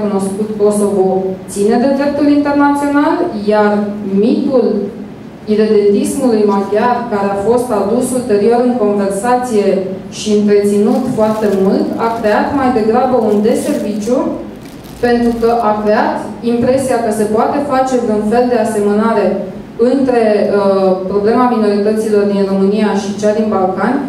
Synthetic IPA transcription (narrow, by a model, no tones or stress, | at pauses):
kuno̞skut̪ko̞so̞vo̞t̪sine̞d̪e̞d̪ɾe̞p̚t̪ulint̪e̞rnat̪sio̞naljarmit̪ul | iɾe̞d̪e̞nt̪ismulujmad̪iarkaɾe̞afo̞st̪ad̪usult̪e̞ɾio̞ɾɨŋko̞nve̞rsat̪sije̞ | ʃiɨnt̪ɾe̞t̪sinut̪foart̪e̞muld̪akɾe̞at̪majd̪e̞ɡɾabəund̪e̞se̞rvit͡ʃju | pe̞nt̪ɾukəʔakɾe̞at̪impɾe̞siakəse̞poat̪e̞fat͡ʃe̞vunfe̞ld̪e̞ase̞menaɾe̞ | ɨnt̪ɾe̞ | pɾo̞ble̞mamino̞ɾit̪ət̪silo̞rd̪inro̞mɨnijaʃit͡ʃad̪inbalkanʲ